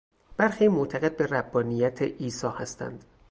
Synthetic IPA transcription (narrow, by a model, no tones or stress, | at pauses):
b̥æɾxiːmoʔt̪ʰæɣe̞d̪̚be̞ræbːɒːnijæt̪ʰeʔiːsɒːhæst̪ʰæ̰nd̪̥